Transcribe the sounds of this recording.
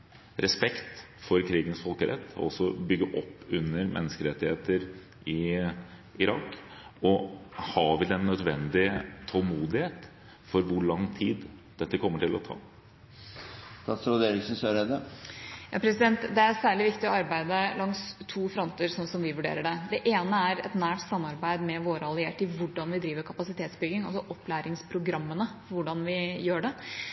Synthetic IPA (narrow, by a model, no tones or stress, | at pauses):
ɾʔɛspɛkt̪ | fɔɾkʰɾiːɡənsfɔlkəɾʔɛ̰t̪ːɔ̰ɔsɔbʏɡːəʔɔpːʉnːəɾmʔɛ̰nːəskəɾɛt̪ːɪheːt̪əɾ | ʔɪ | ɪɾɑːkːɔhɑːʋɪlɛnːœd̪ʋɛnd̪ɪt̪ʰɔlmuːd̪ɪheːt̪ | fɔɾʋʊɭɑŋːt̪ʰiːd̪d̪̥ɛt̪ːəkʰɔmːəʈɪlɔ̰t̪ʰɑ̰ː | t̪ʰɑsɔd̪eːɾɪsn̩søɾɛd̪əjɑ̰ːpʰɾɛsɪd̪ɛnt̪d̪ɛæɾsæːɭɪʋɪkt̪ɪɔɑɾbæɪd̪əlɑŋst̪ʰːuːfɾɔnt̪əɾsɔnsɔmʋɪʋʉɖḛːɾəɖɛd̪ɛʔeːnəæɾɛ̰t̪næːʈsɑmːɑɾbæɪd̪mɛʋoːɾəɑlɪeːʈɪʋʊɖɑnʋɪd̪ɾiːʋəɾkʰɑpɑsɪt̪ʰeːt̪sbʏɡɪŋɑlsɔʔɔplæːɾɪŋspʰɾʊɡɾɑmːənəʋʊɖɑnʋɪjøːɖɛ